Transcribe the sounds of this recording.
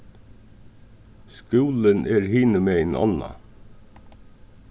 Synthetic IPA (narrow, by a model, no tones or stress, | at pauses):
skʉːlənʔeːɾhiːnəmeɪnʔɑ̰nɑ̰